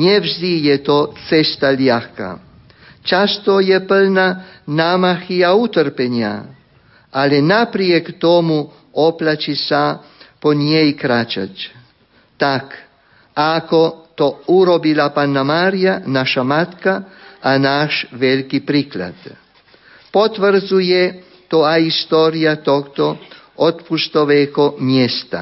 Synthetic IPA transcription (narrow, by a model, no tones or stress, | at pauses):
ɲewzd̪ijet̪oːt̪sest̪aljaxka̰ | t͡ʃast̪ojepəlnanamaxijaut̪əɾpenja̰ | alinapɾijekt̪omu | oplat͡ʃisa | ponjejikɾat͡ʃa̰t͡ʃ | t̪ak | akot̪ouɾobilapanːamaɾijanaʃamat̪kaanaʃʋelikipɾikla̰d̪̥ | pot̪ʋərzuje | t̪oaist̪oːɾijat̪okt̪o | ot̪pust̪oʋekomjest̪a̰